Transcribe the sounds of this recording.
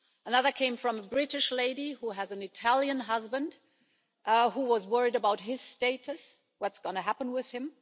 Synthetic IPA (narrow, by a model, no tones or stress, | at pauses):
ənʌðə˞kʰẽɪ̃ɱfɹʌ̃məbɹɪɾɨʃleɪɾihuɨzɨ̃nɨtʰælˠjɨ̃nɦʌzbɨ̃nd̥ | ʔhuwʌzwɜ˞iɾɨbaʊt̚ɦɪz̥steɪɾɨs | wʌtsɡ̥ʌnɨɦæpn̩wɪð̥ɨ̃m